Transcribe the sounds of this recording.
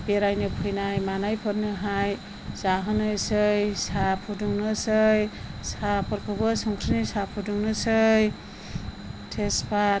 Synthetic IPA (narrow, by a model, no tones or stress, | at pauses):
beɾajnɯpʰɯjnajmanajpʰɯɾnɯɦaj | z̥aɦɯnɯjsɯjsapʰuduŋnɯsɯjsapʰɔɾkʰubɯsɔŋkʰɾinisapʰuduŋnɯsɯj | tʰespʰa